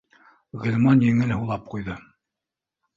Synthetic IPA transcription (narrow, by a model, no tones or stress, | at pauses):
ʁɘ̆lʲmɑnjɘ̆ŋɘlhulˠɑp̚qujðɤ